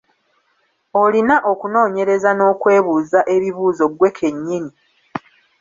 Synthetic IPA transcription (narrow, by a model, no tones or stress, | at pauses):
o̞linaʔo̞kuno̞ːɲe̞ɾe̞zano̞ːkwe̞ːβuːzaʔe̞βiβuːzo̞ɡwe̞kʰe̞ɲːiɲi